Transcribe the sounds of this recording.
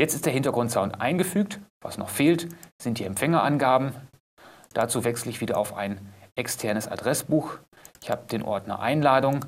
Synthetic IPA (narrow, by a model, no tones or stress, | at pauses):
jɛt͡stɪstd̥eɐhɪntɐɡʁʊntz̥aʊntʔa̰ɪnɡəfyːk̚tv̥a̰snɔ̰χfeːltz̥ɪnt̚d̥iːɛmfɛŋɐʔanɡaːbm̩ | d̥at͡suːvɛksl̩ɪçv̥iːdɾɐa̰ʊfa̰ɪnʔɛkstʰɛɐnəsa̰dʁɛsb̥uːx | ʔɪçhaːbəd̥eːnʔɔ̰ɐtna̰ʔa̰ɪnlaːdʊŋ